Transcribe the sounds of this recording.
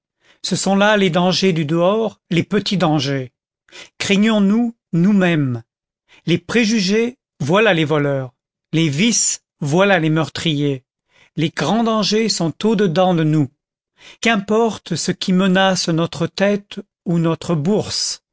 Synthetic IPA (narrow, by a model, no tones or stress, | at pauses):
səsɔ̃laled̪ɑ̃ʒed̪yd̪əɔʁlepət̪id̪ɑ̃ʒe | kχɛɲɔ̃nu | numɛm | lepχeʒyʒe | vwalalevɔlœːʁ | levis | vwalalemœʁt̪χije | leɡʁɑ̃d̪ɑ̃ʒesɔ̃t̪od̪əd̪ɑ̃d̪ənu | kɛ̃pɔʁt̪səkʲʰimənasnɔt̪χət̪ɛt̪ | unɔt̪χəbuʁs